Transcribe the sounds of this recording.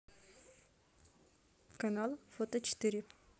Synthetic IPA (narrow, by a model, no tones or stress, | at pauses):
kɐnalˠfot̪ət͡ɕɪ̥t̪ɨɾʲɪ